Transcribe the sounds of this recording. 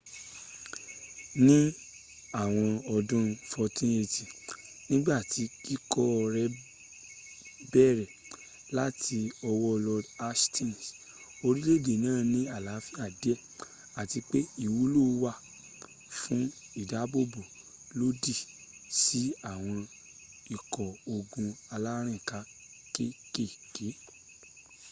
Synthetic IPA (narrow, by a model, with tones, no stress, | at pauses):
nĩ˦ | a˦˨w̃ɔ̃˧ɔ˧dũ˦fɔ˧tĩ˦e˧ti˨ | nĩ˦ɡ͡ba˦˨ti˧ki˦kɔ˦ɔ˧ɾɛ˦ | bɛ˦˨ɾɛ˨ | la˦tʰi˧ɔ˧wɔ˦˧lɔ˧da˦stĩ˦˨n˨s | o˧ɾi˦le˦˨de˨nãː˦˨nĩ˦a˦˨la˨˦fi˦a˨dɛ˦˨ | a˨ti˧k͡pe˦i˦˨wu˨˦lo˦wa˦˨ | fũ˦ | i˦˨da˨˦bo˦bu˨ | lo˦di˦˨ | si˦a˦˨w̃ɔ̃˧ | i˨kɔ˨o˧ɡũ˧a˧la˦ɾ̃ĩ˦˨ka˨˦ | ke˦ke˦˨ke˨˦